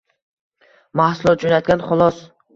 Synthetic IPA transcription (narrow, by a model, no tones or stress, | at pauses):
mahsʊlˠɒt̪̚d͡ʒonat̪̚ɡʲanχʊlˠɒs